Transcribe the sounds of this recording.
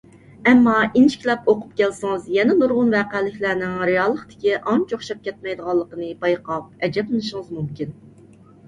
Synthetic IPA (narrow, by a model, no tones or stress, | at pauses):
ɛmːɑint͡ʃʰkʲilɛpoqʊ̥pkʲɛlsɨŋɨzjɛnɛnuɾʁʊnvæːqælɪkʲlæɾnɪŋɾɪjɑːlˠːəχt̪ɪ̥kʲiʔɑnt͡ʃʰoχʃɛp̚kʲɛt̪̚mɛjd̪əʁɑlˠːəqənɨbɑjqɑp̚ɛd͡ʒɛplɨnɨʃəŋɨzmumkʲin